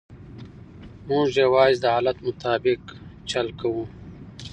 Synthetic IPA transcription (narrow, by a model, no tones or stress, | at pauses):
mũːʒewaːzd̪ɐaːlɐt̪mʊt̪aːbɪkt͡ʃɐlkawũː